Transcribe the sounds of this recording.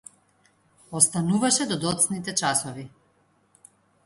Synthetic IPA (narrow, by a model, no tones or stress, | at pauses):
ɔst̪anuvaʃɛd̪ɔd̪ɔt̪snit̪ɛt͡ʃasɔvi